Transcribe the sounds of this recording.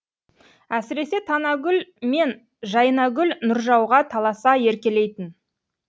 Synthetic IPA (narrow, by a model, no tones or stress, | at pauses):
æsɪɾe̞se̞t̪ʰɑnɑɡʲʏlme̞n | ʒɑjənɑɡʲʏlnʊɾʒɑwʁɑt̪ʰɑlˠɑsɑje̞ɾkʲe̞le̞jt̪ɪn